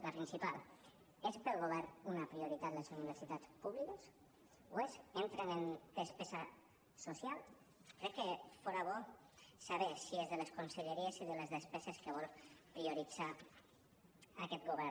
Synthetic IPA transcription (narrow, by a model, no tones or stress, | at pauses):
ləpɾinsipalˠ | espəlˠɣoβ̞ɛɾnunapɾioɾit̪at̪lesuniβ̞əɾsit̪at͡spuβlikəs | oezent̪ɾenend̪̥əspɛza | sosjalˠ | kɾɛkːefɔɾaβ̞ɔ | saβesiezðəleskunseʎeɾiesiðəlezðespɛzeskəeβ̞ɔlˠpɾioɾid͡za | akɛt̪̚ɡoβ̞ɛɾ